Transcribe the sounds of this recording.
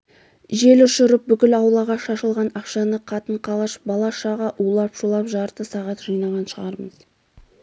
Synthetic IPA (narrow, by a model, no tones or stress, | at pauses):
ʒe̞lʊʃʊɾəp̚bʏkʲɪlɑwlˠɑʁɑʃɑʃəlˠʁɑnɑqʃɑnəqʰɑt̪əɴqʰɑlˠɑʃbɑlˠɑʃɑʁɑʔulˠɑpʒ̥ulˠɑpʒɑɾt̪əsɑʁɑt̪ʒɑjnɑʁɑnʃəʁɑɾməz̥